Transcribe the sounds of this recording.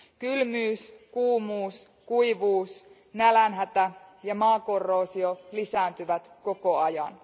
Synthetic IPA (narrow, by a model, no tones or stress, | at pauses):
kylmyːskuːmuːs | kuiʋuːs | nælænɦæt̪æjɑmɑːkorːoːsiolisæːnt̪yʋæt̪kokoɑjɑ̰n